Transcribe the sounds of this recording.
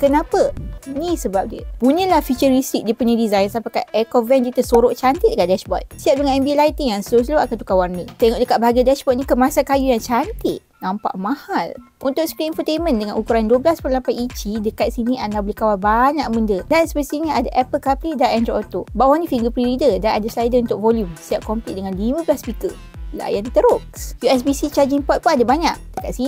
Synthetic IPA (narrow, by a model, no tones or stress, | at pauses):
kənapənisəbap̚diə̰puɲə̃lahfit͡ʃəɾistik̚diəpuɲadizajnsapakaɛkɔvɛnd͡ʒit̪əsoɾoʔt͡ʃant̪it̪̚dəkaʔdɛʃbɔ̰t̪siat̪̚dəŋanɛmbilait̪iŋjaŋsəɾʊs̬loakant̪ukawarnət̪eŋɔʔdəkat̪̚baɦaɡiadɛʃbɔt̪̚nĩkəmasakajujaŋt͡ʃant̪ɪt̪̚ | nãmpa̰ʔmãhal | unt̪ʊk̚skliɛnfət̪ejmə̃ndəŋanukuɾanduəblaspəlampajit͡ʃidəkat̪̚siniʔanabəlihkawalbaɲaʔmundədansəbəst̪iɲiadaʔɛpəlkapidanɛnd̪ɾoot̪obawanĩfiŋɡəpɾiɾidədanadaslajdəunt̪ʊk̚vɔljumsiap̚kɔmplitʔ̚dəŋãnlimə̃blaspikə | la̰jant̪ət̪əɾʊʔjuɛs̬bisit͡ʃad͡ʒiŋpɔt̪̚punadabaɲaʔd̥əkat̪sini